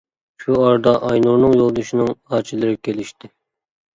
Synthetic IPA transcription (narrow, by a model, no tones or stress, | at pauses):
ʃuɑɾd̪ɑʔɑjnuɾnɨŋjolˠd̪ɨʃinɨŋɑt͡ʃʰilˠɨɾɪkʲelɪʃt̪ɪ